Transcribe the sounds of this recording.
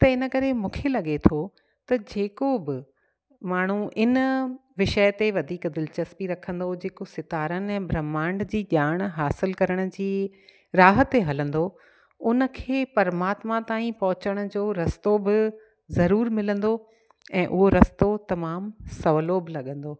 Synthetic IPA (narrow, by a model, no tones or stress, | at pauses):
t̪ɐɪnəkɐɾemũːkʰelɐɠet̪ʰo | t̪ɐd͡ʑeːkobɪ | maːɳ̤̃ũʔɪnʋɪʃəjt̪eʋɐd̪ʱiːkd̪ɪlt͡ɕɐspiɾɐkʰə̃nd̪od͡ʑeːkosɪt̪aːɾənɛ̃ːbɾɐmãːɳɖd͡ʑiːʄaːɽ̃ɦaːsɪlkɐɾəɽ̃ʊ̆d͡ʑiː | ɾaːɦət̪eɦɐlə̃nd̪o | ʊnə̆kʰeːpɐɾmaːt̪mat̪aːĩpɐɦʊt͡ɕəɽ̃ʊ̆d͡ʑoːɾɐst̪obɪ | zɐɾuːɾmɪlə̃nd̪o | ɛ̃ːʔʊɦoɾɐst̪ot̪ɐmaːmsɐʋlobɪlɐɠə̃n̆d̪oː